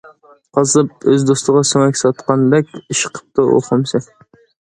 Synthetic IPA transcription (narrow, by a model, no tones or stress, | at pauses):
qʰɑzɨp̚øzd̪ost̪əʁɑsoŋɛkʲsɑt̪qɑnd̪ɛkʲiʃə̥qʰə̥p̚t̪ɑʔo̰χʊmsɛ